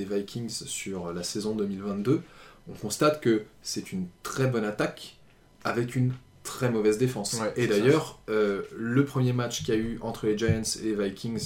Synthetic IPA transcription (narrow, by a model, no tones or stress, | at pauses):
evajkʲiŋzsyʁlasɛzɔ̃d̪ømilvɛ̃t̪̚d̪øɔ̃kɔ̃st̪at̪kəsɛt̪ʰynt̪χɛbɔnat̪ak | avɛkʲyn | t̪χɛmɔvɛzd̪efɑ̃sed̪ajœʁøləpχəmjemat͡ʃkʲiayɑ̃t̪χəleʒajɛ̃t̪sḛlevajkʲʰiŋz